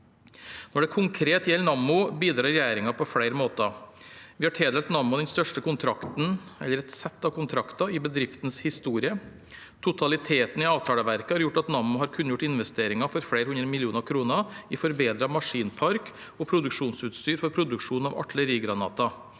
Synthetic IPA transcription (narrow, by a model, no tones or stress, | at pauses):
nɔɖɛkʰʊŋkʰɾeːt̪jɛlːnɑmːʊbiːd̪ɾɑːɾɛjæːɾɪŋɑpʰɔfɽeɪɾəmoːt̪ɑ | ʋɪhɑʈʰeːd̪ɛlt̪nɑmːʊd̪ɛnst̪œʂʈəkʊnt̪ʰɾɑkt̪n̩ɛ̰lːəɾɛt̪sɛt̪ːɑkʊnt̪ʰɾɑkt̪ɑɪbəd̪ɾɪft̪n̩shɪst̪uːɾɪə | t̪ʰʊt̪ʰɑlɪt̪ʰeːt̪n̩ɪɑːʋt̪ʰɑːləʋæɾkəhɑɾjʊʈːɑt̪nɑmːʊhɑɾkʰʉnːəjʊʈːɪnʋɛst̪eːɾɪŋɑfɔɾfɽeɪɾhʉnɾəmɪlɪuːnɑkʰɾuːnəɪfɔɾbeːd̪ɾɑmɑʂiːnpʰɑɾk | ɔpʰɾʊd̪ʉkʂuːnsʉːt̪st̪yːɾfɔɾpʰɾʊd̪ʉkʂuːnɑʋɑ̰ʈɭəɾiːɡɾɑnɑ̰ːt̪ɑ